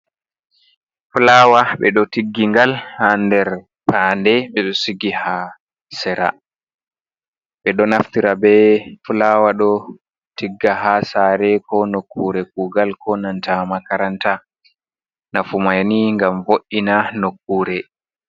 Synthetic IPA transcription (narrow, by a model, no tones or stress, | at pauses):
fulawaɓɛɗɔtiɡːiŋɡalhandɛɾ | pʰaːndɛɓɛɗɔsiɡiha | sɛɾa̰ | ɓɛɗɔnaft̪iɾabɛfulawaɗɔ | tiɡːaɦasaɾɛkɔnokːuɾɛkuːɡalkʰɔnantamakaɾanta | nafumajniŋɡamvoʔːinanokːuːɾɛ